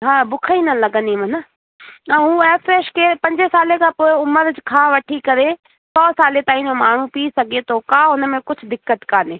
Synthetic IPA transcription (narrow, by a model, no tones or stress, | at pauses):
ɦãːbʊkʰəinɐlɐɡə̃nd̪imɐnə | ãɦũːeːfʰɾeːʃkepɐ̃ɲd͡ʒesaːlekʰãːpoːɪʊməɾd͡ʑkʰãːʋɐʈʰikɐɾe | sɔːsaːlet̪aːĩnomaːɳ̤ũpisɐɡʱet̪ʰoːkãːʊnmẽkʊt͡ʃʰʊd̪ɪkːət̪kaːneː